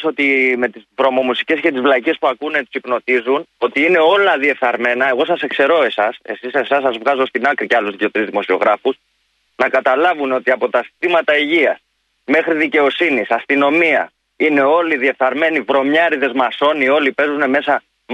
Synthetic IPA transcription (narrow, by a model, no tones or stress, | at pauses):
so̞t̪ime̞t̪izvɾo̞mo̞musi̥ce̞sce̞t̪izvlɐicespuɐkunet̪u̥sipno̞t̪izuno̞t̪iine̞o̞lɐðie̞fθɐɾme̞nɐe̞ɣo̞sɐse̞kse̞ɾo̞e̞sɐse̞sisesɐs̬ːɐzvɣɐzo̞st̪inɐkɾiceɐluzðicet̪ɾizðimo̞sio̞̰ɣɾɐfus | nɐkɐt̪ɐlɐvuneo̞t̪iɐpo̞t̪ɐsi̥t̪imɐt̪ɐiʝiɐs | me̞xɾiðice̞o̞sinisɐst̪ino̞miɐ | ine̞o̞liðie̞θɐɾme̞nivɾo̞mɲɐɾiðe̞zmɐso̞nio̞lipe̞zune̞me̞sɐ